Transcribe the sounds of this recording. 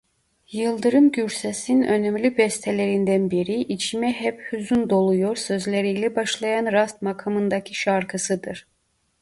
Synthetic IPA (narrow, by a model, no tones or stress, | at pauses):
jɯlˠd̪ɯɾɯmɟyɾsɛsinø̞nɛmlʲybɛst̪ʰelʲeɾind̪ænbiɾiʔit͡ʃʰimɛɦɛphyzynd̪o̞lˠujo̞ɾsø̞zlʲeɾijlʲɛbaʃlˠɑjanɾast̪makʰamɯnd̪acʰiʃaɾkʰɯsɯd̪ɯɾ̥